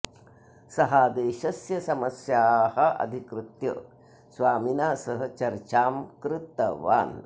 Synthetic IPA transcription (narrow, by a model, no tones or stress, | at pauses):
sɐɦaːd̪eːʃɐsjɐsɐmɐsjaːɦɐ̆ʔɐ̰d̪ʱikɾɪt̪jɐ | sʋaːminaːsɐɦɐt͡ʃɐɾt͡ʃaːmkɾɪt̪ːɐʋa̰ːn